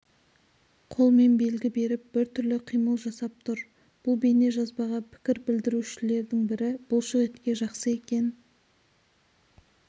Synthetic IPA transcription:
qʰo̞lˠme̞nbe̞lɡʲɪbe̞ɾɪp̚b̥ɪɾt̪ʰʏɾlɪqʰijməlˠʒɑsɑp̚t̪ʰʊɾ | b̥ʊlˠbe̞ne̞ʒɑzbɑʁɑpʰɪ̥kʲɪɾbɪld̪ɪɾuʃɪle̞ɾd̪ɪŋbɪɾɪb̥ʊlˠʃəʁet̪kʲe̞ʒɑqsəe̞kʲe̞n

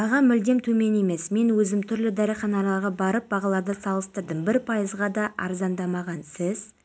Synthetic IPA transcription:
ɑʁɑmʏld̪e̞mt̪ʰɵme̞ne̞me̞sme̞nwɵzɪmt̪ʰʏɾlɪd̪ɑɾajχɑnɑlˠɑɾʁɑbɑɾəp̚bɑʁɑlˠɑɾd̪əsɑlˠəst̪əɾd̪əmbɪɾpʰɑjəzʁɑd̪ɑʔɑ̰ɾzɑnd̪ɑmɑʁɑnsɪz

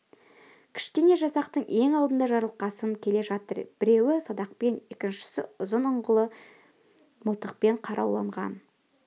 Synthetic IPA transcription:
kʲʰɪ̥ʃkʲe̞ne̞ʒɑsɑqt̪əɴe̞ŋɑlˠd̪ənd̪ɑʒɑɾəlˠqɑsəŋkʲʰe̞leʒɑt̪əɾb̥ɪɾe̞wɪsɑd̪ɑq̚pe̞ne̞kʲɪnʃɪ̥sɪ̰ʊzənʊɴʁəlˠə | məlˠt̪əq̚pe̞ɴqʰɑɾʔɑ̰wlˠɑɴʁɑ̰n

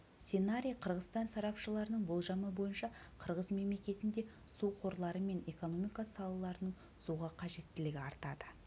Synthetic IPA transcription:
senaɾʲijqʰəɾʁəzst̪ɑnsɑɾɑpʃəlˠɑɾənəɴbolˠʒɑməbo̞jənʃɑ | qʰəɾʁəzme̞mle̞kʲe̞t̪ɪnd̪e̞ | suqʰo̞ɾlˠɑɾəme̞ne̞ko̞no̞mijkɑsɑlˠɑlˠɑɾənəɴ | suʁɑqʰɑʒe̞t̪ːɪlɪɡʲɪɑɾt̪ɑd̪ə

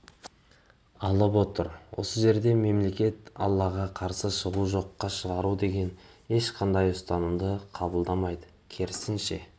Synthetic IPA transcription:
ɑlˠəpwo̞t̪əɾwʔo̞̰səʒe̞ɾd̪e̞me̞mle̞kʲe̞t̪ɑ̰lˠːɑʁɑqʰɑɾsəʃəʁuʒo̞qːɑʃəʁɑɾud̪e̞ɡʲe̞n | e̞ʃqʰɑnd̪ɑjʊst̪ɑnəmd̪əqʰɑbəlˠd̪ɑmɑjd̪ə | kʲʰeɾɪsɪnʃe̞̰

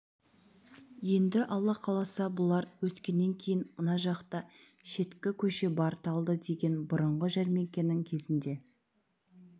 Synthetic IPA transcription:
je̞nd̪ɪʔɑlˠːɑqʰɑlˠɑsɑbʊlˠɑɾwɵskʲe̞nːe̞ŋkʲʰe̞jɪnmənɑʒɑqt̪ɑ | ʃe̞t̪kʲɪkʲʰɵʃe̞bɑɾt̪ɑlˠd̪əd̪e̞ɡʲe̞nbʊɾəɴʁəʒæɾme̞kʲe̞nɪŋkʲʰe̞zɪnd̪e̞

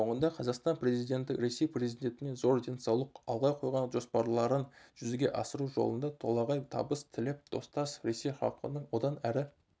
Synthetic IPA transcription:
o̞ɴənd̪ɑqʰɑzɑqst̪ɑnpre̞zijd̪e̞nt̪ɪɾe̞se̞jpre̞zid̪ʲe̞nt̪ɪne̞zo̞ɾd̪e̞nsɑwlˠəqɑlˠʁɑjqʰo̞jʁɑnʒo̞spɑɾlˠɑɾənʒ̥ʏzɪɡʲe̞ʔɑsəɾuʒo̰lˠə̰nd̪ɑt̪ʰo̞lˠɑʁɑjt̪ʰɑ̰bəst̪ʰɪlɪp̚d̪ʰo̞̰st̪ɑsɾe̞se̞jχɑ̰lˠqə̰nəɴwo̞d̪ɑnæɾɪ

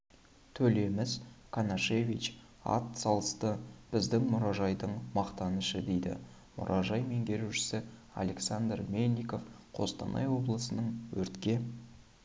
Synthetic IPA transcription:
t̪ʰɵle̞mɪzkʰanaʃe̞vʲit͡ʃ | ɑ̰t̪sɑlˠəst̪əb̥ɪzd̪ɪŋmʊɾɑʒɑjd̪əɴmɑqt̪ɑnəʃəd̪e̞jd̪ɪ̰ | mʊ̰ɾʔɑʒɑjme̞ŋɡʲe̞ɾuʃɪ̥sɪ | a̰le̞ksand̪rmenʲːiko̞fqʰo̞̰st̪ɑ̰nʔɑ̰jwo̞blˠəsənəɴwɵɾt̪kʲe̞

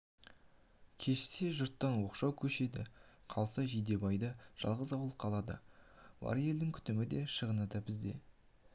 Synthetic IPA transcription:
kʲʰe̞ʃɪ̥se̞ʒʊɾt̪ːɑnwo̞qʃɑwkʲʰɵʃe̞d̪ɪ̰qʰɑlˠsɑʒid̪e̞bɑjd̪əʒ̥ɑ̰lˠʁəzɑwlˠəqʰɑlˠɑd̪ə̰bɑ̰ɾje̞ld̪ɪŋkʲʰʏ̥t̪ɪmɪd̪e̞ʃəʁənɑd̪ɑbɪzd̪e̞̰

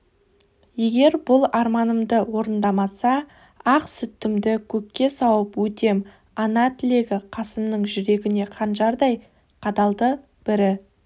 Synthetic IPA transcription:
je̞ɡʲe̞ɾbʊlˠɑɾmɑnəmd̪əwo̞ɾənd̪ɑmɑsɑ | ɑqsʏt̪ːɪmd̪ɪkʲʰɵkʲːe̞sɑwəpwɵt̪e̞m | ɑnɑt̪ʰɪle̞ɡʲɪqʰɑsəmnəɴʒʏɾe̞ɡʲɪne̞qʰɑnʃɑɾd̪ɑj | qʰɑd̪ɑlˠd̪ə | b̥ɪɾɪ

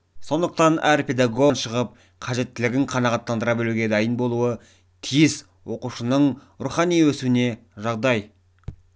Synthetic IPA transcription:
so̞nd̪əq̚t̪ɑnæɾpʰe̞d̪aɡo̞nʃəʁəp̚ | qʰɑʒe̞t̪ːɪlɪɡʲɪŋqʰɑnɑʁɑt̪ːɑnd̪əɾɑbeluɡʲe̞d̪ɑjənbo̞lˠuə | t̪ʰijɪs | wo̞quʃənəɴ | ɾuχɑnijwɵsuwɪne̞ | ʒɑʁd̪ɑj

